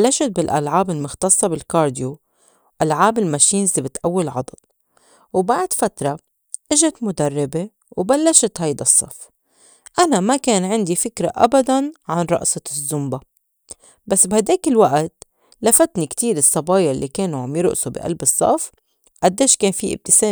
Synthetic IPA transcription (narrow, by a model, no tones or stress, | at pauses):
blːaʃat̪̚bɪlʔa̰lʕaːbɪlmʊxt̪ɑsˤːɑbɪlkɑːɾd̪jo | ʔalʕaːbɪlmaʃiːnzɪbɪt̪ʔawːɪlʕɑ̰d̪ˤɑl | wbaʕd̪fat̪ɾˤɑ | ʔɪʒat̪mʊd̪arˤːɪbe | wbalːaʃt̪hajd̪asˤːɑ̰f | ʔanamakeːnʕɪnd̪ifɪkɾa̰ʔa̰bad̪anʕanɾˤɑ̰ʔsɑzːʊmba | basːbhad̪eːkɪlwaʔt̪ | lafat̪nikt̪iːɾɨsˤːɑbɑːjaʔɪlːikeːnuʕamjɪɾʊ̰ʔsubɪ̰ʔa̰lbɨsˤːɑ̰f | ʔad̪ːeːʃkeːnfiʔɪ̰b̚t̪ɪseː